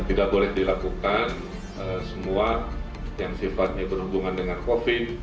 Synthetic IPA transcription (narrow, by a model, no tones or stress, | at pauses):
t̪idaʔ̚bolɛhdilakukan | əsəmua | jaŋsifat̪̚ɲabərhubuŋandəŋankofɪt̪̚